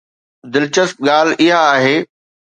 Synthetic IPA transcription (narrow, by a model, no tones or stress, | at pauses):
d̪ɪlt͡ɕəst̪̚ɠaːl̤ʔɪɦaːɦeː